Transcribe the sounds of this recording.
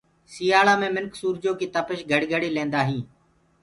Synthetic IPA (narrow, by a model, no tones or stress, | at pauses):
siːjaːlaːmẽːmɪŋkʰsuːɾd͡ʒoːkiːt̪əpəʃɡʱəɽɡəɽiːlẽːnd̪aːɦĩː